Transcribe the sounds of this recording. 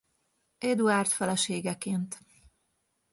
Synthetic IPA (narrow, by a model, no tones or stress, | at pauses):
ed̪uart̪fɛlɛʃeːɡɛkeːnt̪